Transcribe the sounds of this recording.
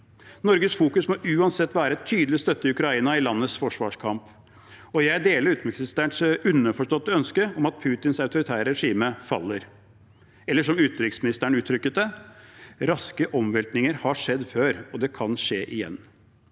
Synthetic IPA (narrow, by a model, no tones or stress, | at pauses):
nɔɾɡəsfuːkʉsmɔʔʉːɑnsɛt̪ːʋæːɾəɛt̪ʰːyːd̪l̩ɪst̪œt̪ːəɪʉkɾɑiːnɑɪlɑnːəsfɔʂʋɑ̰ʂkʰɑmp | ɔjæɪd̪eːləɾʉːt̪mɪksst̪æɳsʉnːəfɔʂʈɔt̪ːəœnskəɔmɑt̪̚pʰʉːt̪ɪnsɑʉt̪ʊɾɪt̪ʰæːɾəɾɛʂiːməfɑ̰lːəɾ | ɛlːəʂɔmʉːt̪ɾʏksmɪnɪst̪æɳ̩ʉːt̪ʰːɾʏkːət̪̚d̪ɛ | ɾɑskəʔɔmʋɛlt̪nɪŋəɾhɑʂɛd̪ːføːɾɔd̪ɛkʰɑnʂeːʔɪjɛ̰nː